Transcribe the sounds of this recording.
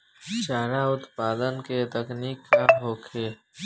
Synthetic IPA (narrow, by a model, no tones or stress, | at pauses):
t͡ʃaːɾaʊt̪paːd̪ənket̪əkniːkːaɦoːkʰeː